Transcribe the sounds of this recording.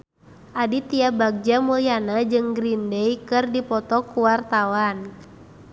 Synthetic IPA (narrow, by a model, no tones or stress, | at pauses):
ʔadit̪iabaɡ̚d͡ʒamulianad͡ʒɨŋɡɾindɛjkɨrdipɔt̪ɔkuwart̪awan